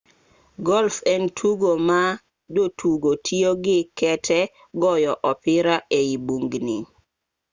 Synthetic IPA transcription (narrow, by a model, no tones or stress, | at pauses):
ɡɔlfɛntʰuɡoma | dotʰuɡotʰioɡɪkɛtʰɛ | ɡɔjɔʔɔpɪɾaeibuŋɡnḭ